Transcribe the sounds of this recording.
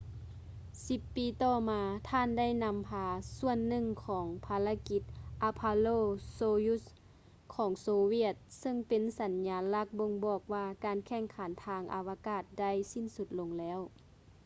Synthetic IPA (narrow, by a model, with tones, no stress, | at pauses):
si˧˦pːiː˨˦t̪ɔː˧˩maː˨˧t̪ʰaː˧˥˨nda˥˨jna˧˥mpʰaː˧su˧˥˨ənːɯ˧˨ŋkʰɔː˩˦ŋpʰaː˧la˧˥ki˧˩t̪̚ʔa˧pʰa˧loː˧˨soː˧ju˧˥s | kʰɔː˩˦ŋsoː˧˦wi˧˥˩ət̪̚sɤ˧˨ŋpe˨˦nsa˨˦nɲaː˨˧˦la˧˥˩k̚bo˧ŋbɔː˨˩k̚waː˧kaː˨nkʰɛ˧˩˨ŋkʰa˨˦nt̪ʰaː˧ŋʔa˨˧wa˧kaː˧˩t̪̚da˥˨jsi˧˥˨nsu˧t̪̚lo˧ŋlɛː˦˧˥w